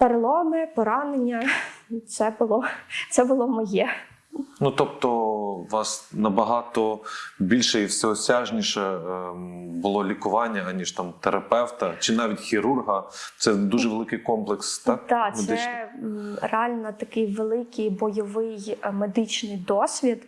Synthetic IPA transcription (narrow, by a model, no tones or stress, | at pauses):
peɾɪlˠɔmɪpɔɾɑnenʲːɐt̪sɛbʊlˠɔsɛbʊlˠɔmɔjɛ | nut̪ɔp̚t̪ɔʋɑsnɐbɐɦɑt̪ɔbʲilʲʃɛiwsʲɛɔsʲɑʒnʲiʃɛ | bʊlˠɔlʲikʊʋɑnʲːɐɐnʲiʒ̥t̪ɑmt̪eɾɐpɛwt̪ɐt͡ʃɪnɑʋʲitʲxʲiɾurɦɐt̪sɛd̪uʒɛʋelˠɪkɪjkɔmplˠekst̪ɑkd̪ɑmed̪ɪɛ | reɑlʲnɔt̪ɐkɪjʋelˠɪkɪjbɔjɔʋɪjmed̪ɪt͡ʃnɪjd̪ɔsʲʋʲid̪